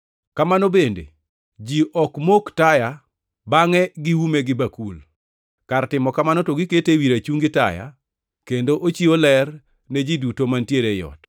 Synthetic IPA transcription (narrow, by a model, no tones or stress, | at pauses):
kamanobendḛ | d͡ʒiʔɔkmoktaja | baŋɛɡɪwumeɡɪbakul | kartɪmɔkamanɔtoɡiketewiɾat͡ʃuŋɡɪta̰ja̰ | kendoʔot͡ʃiolɛr | ned͡ʒidutomantjeɾejɔ̰t